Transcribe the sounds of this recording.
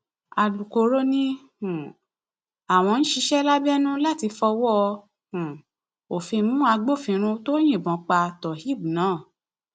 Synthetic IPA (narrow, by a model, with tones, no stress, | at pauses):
a˨lu˨ko˧ɾo˦nĩ˦hũ˨ | a˨w̃ɔ̃˧ñ̩˦ʃi˧˦ʃɛ˦la˦bɛ˦nũ˦la˦˨ti˧fɔ˧wɔ˦˧ | hũ˨ | o˨fĩ˧mũ˦a˧ɡ͡bo˦˨fĩ˧ɾ̃ũ˧to˦j̃ĩ˦˨bɔ̃˨˦k͡pa˧tɔ˨hi˦˨bu˨nãː˨˦˨